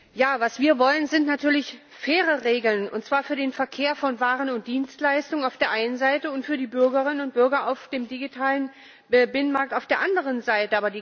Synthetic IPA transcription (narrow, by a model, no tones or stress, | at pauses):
jaːvasv̥iːɐvɔlənzɪntnatʰyːɐlɪç | feːʁəʁeːɡl̩nʊ̰ntt͡sv̥aːɐfyːɐdeːnfɛɐkʰeːɐfɔnvaːʁənʊnt̚d̥iːnstlaɪstʊŋənaʊfd̥eːɐʔaɪnənzaɪtəʊntfyːɐdiːbʏɐɡɐʁɪnənʊnt̚b̥ʏɐɡɐaʊfd̥eːmdiɡitʰaːlən | bɪnənmaɐk̚taʊfd̥eːɐʔandəʁ̞ənzaɪtəʔaːbɐdiː